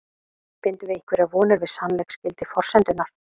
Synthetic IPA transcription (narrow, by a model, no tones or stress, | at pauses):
pɪnt̪ʏvɪɪŋkvɪɾavɔːnɪɾvɪðsanlɛjkscɪlt̪ɪfɔr̥sɛnt̪ʏnaɾ̥